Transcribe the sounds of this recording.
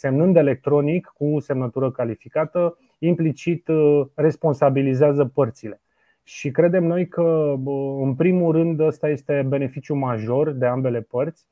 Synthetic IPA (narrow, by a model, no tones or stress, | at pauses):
se̞mnɨnd̪e̞le̞k̚t̪ɾo̞nikːuse̞mnət̪uɾəkalifikat̪ə | implit͡ʃit̪re̞spo̞nsabilizeazəpərt̪sile̞ | ʃikɾe̞d̪e̞mno̞jkə | ɨnpɾimulɾɨnd̪əst̪aje̞st̪e̞be̞ne̞fit͡ʃjumaʒo̞rd̪e̞ambe̞le̞pərt̪sʲ